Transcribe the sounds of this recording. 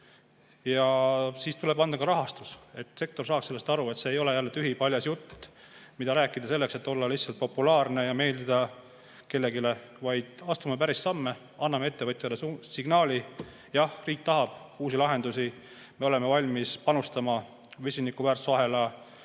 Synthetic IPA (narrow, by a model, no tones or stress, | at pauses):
jɑsiːst̪ule̞b̥ɑnd̪̥ɑkɑɾɑɦɑst̪use̞t̪ːˑse̞k̚t̪orsɑːkse̞lːe̞st̪ɑɾue̞t̪seːjo̞le̞jælːet̪yɦipɑlʲjɑsjut̪ːmid̪ɑɾæːkːˑid̪ɑse̞lːe̞kset̪ːo̞lːɑlihsːɑlt̪̚po̞pːulɑːrne̞jɑme̞ːld̪id̪̥ɑ | ke̞lːe̞ɡile̞ | vɑjd̪̥ɑst̪umepæɾissɑmːe | ɑnːɑmeet̪ːeɤt̪ʲˑjɑlesusiɡ̥nɑːlʲi | jɑhriːk̚t̪ɑɦɑb̥uːsilɑɦe̞nd̪usi | me̞ole̞mevɑlʲmispɑnust̪ɑmɑ | vesʲinikːˑuvæːrt̪sɑɦe̞lɑ